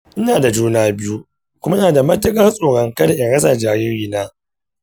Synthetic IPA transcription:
ʔɪ˦naː˨da˨d͡ʒuː˦naː˦bɪ˦ju˦ | kʷʊ˦ma˦ʔɪ˦naː˨da˨mɐ˦tːɪ˦kʼɐ˦rsʼoː˨ɽɐ˦ŋkɐ˦da˨ʔɛ˨ɽɐ˦sa˨d͡ʒaː˨ɾɪ˦ɾiː˦naː˦

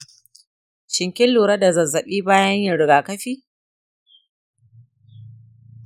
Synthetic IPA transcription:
ʃɪ˨ŋkʲɪ˦lluː˨ɾɐ˦da˨zɐ˨zːɐ˨ɓiː˦baː˦jɐ˦ɲjɪ˨ɽɪ˨ɡaː˨kɐ˦ɸiː˦

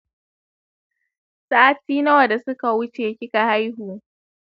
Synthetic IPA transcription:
sa˦ʔa˦tiː˦nɐ˦wɐ˨da˨sʊ˦ka˨wʊ˦t͡ʃeː˨kʲɪ˦ka˨ha˦jɦuː˨

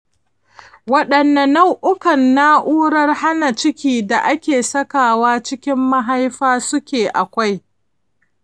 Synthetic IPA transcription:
wɐ˦ɗɐ˨nːɐ˨na˦wʔʊ˦kɐ˨nːa˦ʔuː˦ɽɐ˦rha˦na˨t͡ʃɪ˦kʲiː˦da˨ʔa˦kʲeː˨sɐ˦kaː˨waː˦t͡ʃɪ˦kʲɪ˦mːa˦ɦa˦jɸaː˦sʊ˦kʲeː˨ʔa˨kʷa˦j

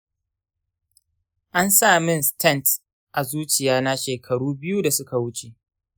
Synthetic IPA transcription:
ʔa˦nsaː˦˨mɪ˦nstʰɛ˦nt | ʔa˨zuː˦t͡ʃɪ˨jaː˦na˦ʃeː˨kʰɐ˨ɽuː˦bɪ˦ju˦da˨sʊ˦ka˨wʊ˦t͡ʃe˨ʔ

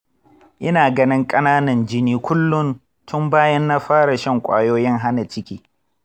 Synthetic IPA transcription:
ʔɪ˦naː˨ɡɐ˦nɪ˦ŋkʼɐ˦naː˦nɐ˨nd͡ʒɪ˦niː˦kʷʊ˦lːʊ˦n | tʰʊ˦mbaː˦jɐ˦nːa˦ɸaː˦ɽa˨ʃɐ˦ŋkʷʼa̰ː˦joː˦jɪ˦ŋɦa˦na˨t͡ʃɪ˦kʲiː˦

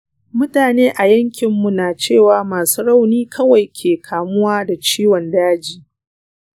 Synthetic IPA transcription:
mʊ˦taː˨neː˦ʔa˨jɐ˦ŋkʲɪ˨mːu˨naː˨t͡ʃeː˦˨waː˨maː˨suː˦ɽa˦˨wniː˦kʰɐ˦wa˨jkʲʰeː˨kʰaː˨mʊ˦waː˦da˨t͡ʃiː˦wɔ˨ndaː˦d͡ʒiː˦

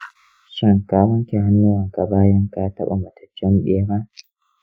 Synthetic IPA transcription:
ʃɪ˦˨ŋkaː˦wɐ˦ŋkʲe˨ha˦nːu˦wa˨ka˨baː˦jɐ˦ŋkaː˦tɐ̰˦ɓa̰˨ma˨tʰɐ̥˨t͡ʃːɛ˦nɗeː˦ba˦ʔ

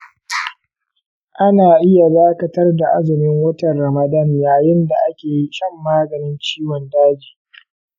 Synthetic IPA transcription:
ʔa˦naː˨ʔɪ˦ja˨daː˦kɐ˨tɐ˦rda˨ʔa˦zɪ˨mɪ˦ŋwɐ˦tɐ˨nɾɐ˨mɐ˨dɐ˦njaː˨jɪ˦nda˨ʔa˦kʲeː˨ji˦ʃɐ˦mːaː˦ɡɐ˨nɪ˦nt͡ʃiː˦wɔ˨ndaː˦d͡ʒiː˨

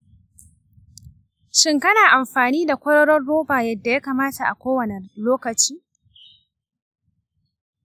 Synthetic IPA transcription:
ʃɪ˦ŋkɐ˦naː˨ʔa˨mɸaː˨niː˦da˨kʷɐ˦ɾɔ˦ɽɔ˦rːoː˦baː˨jɐ˦˨dːa˨ja˦kaː˨maː˦ta˨ʔa˨kʷoː˦wɐ˨ne˨loː˦kɐ˨t͡ʃiː˦

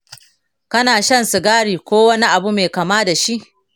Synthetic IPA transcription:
kɐ˦naː˨ʃɐ˦nsu˨ɡaː˦ɽiː˨kʷoː˦wɐ˦ni˦ʔa˨bu˦meː˨kɐ˨maː˦da˨ʃi˦ʔ

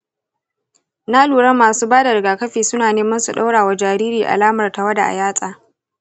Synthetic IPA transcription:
na˦luː˨ɽɐ˦mːaː˨suː˦baː˦da˨ɽɪ˨ɡaː˨kɐ˦ɸiː˨sʊ˦naː˨neː˦mɐ˦nsu˨ɗa̰˦wɽaː˨wa˨d͡ʒaː˨ɾiː˦ɾiː˨ʔa̰˨laː˦mɐ˨rta˨wɐ˦da̰˨ʔa̰˨jaː˦sʼaː˨

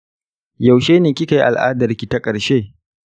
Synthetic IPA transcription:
ja˨wʃeː˦neː˨kʲɪ˦ka˨ji˦ʔa̰˨lʔa̰ː˦dɐ˨rkʲi˨ta˦kʼɐ˨ɾʃeː˦˨

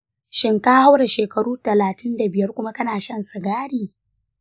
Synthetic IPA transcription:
ʃɪ˦ŋka˦ha˦wɽa˨ʃeː˨kɐ˨ɽuː˦tɐ˨laː˨tɪ˦nda˨bɪ˨jɐ˦rkʷʊ˦ma˦kɐ˦naː˨ʃɐ˦˨nsa˨ɡaː˦ɽiː˨

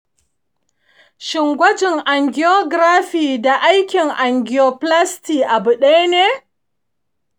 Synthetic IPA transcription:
ʃɪ˨ŋɡʷɐ˦d͡ʒɪ˨ŋʔa˨ŋɡʲɪ˨jo˦ɡɾaː˦ɸiː˨da˨ʔa˦jkʲɪ˨ŋʔa˨ŋɡʲɪ˨jo˨pla˦stiː˨ʔa˨bʊ˨ɗa˦jneː˦

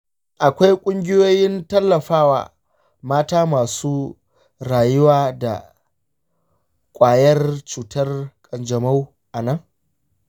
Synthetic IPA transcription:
ʔa˨kʷa˦jkʷʼʊ˦ŋɡʲɪ˦joː˦jɪ˦ntɐ˦lːɐ˨ɸaː˦wa̰ː˨ | maː˦taː˦maː˨suː˦ | ɾaː˨jʊ˦waː˦da̰˨ | kʷʼaː˨jɐ˦rt͡ʃuː˨tɐ˦rkʼɐ˨nd͡ʒɐ˨ma˦w | ʔa˨nɐ˦ŋ

